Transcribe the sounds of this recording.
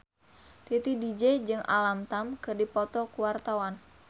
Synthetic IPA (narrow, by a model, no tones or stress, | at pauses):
t̪it̪idid͡ʒɛd͡ʒɨŋʔa̰lamt̪amkɨrdipɔt̪ɔkuwart̪awan